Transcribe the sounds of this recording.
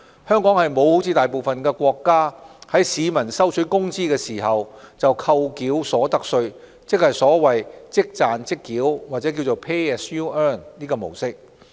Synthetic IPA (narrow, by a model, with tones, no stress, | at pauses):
hœː˥ŋkɔː˨˥ŋhɐ˨jmo˨˧who˨˥wt͡sʰiː˨˧t̪aː˨jp̬o˨wfɐ˨nkɛː˧kʷɔː˧kːaː˥hɐ˨˥jsiː˨˧mɐ˨˩nsɐ˥wt͡ʃʰɵ˨˥kʊ˥ŋt͡siː˥kɛː˧siː˨˩ɦɐ˨wt͡sɐ˨wkʰɐ˧wkiː˨˥wsɔː˨˥t̪ɐ˥k̚sɵ˧ɥ | t͡sɪ˥k̚hɐ˨˩jsɔː˨˥wɐ˨jt͡sɪ˥k̚t͡saː˨nt͡sɪ˥kːiː˨˥wwa˨t͡sɛː˨˥k̬iː˧wt͡so˨wpʰe˥ɛ˥sjuː˥œː˥˩nniː˥kɔː˧mo˨˩wsɪ˥k̚